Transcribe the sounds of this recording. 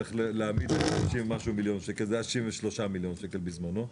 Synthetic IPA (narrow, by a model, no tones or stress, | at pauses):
eχleleamid̪ʃoʃimmaʃumiljo̞nʃekelzeaʃiɱveʃlo̞ʃamiljo̞nʃeke̞lbizmano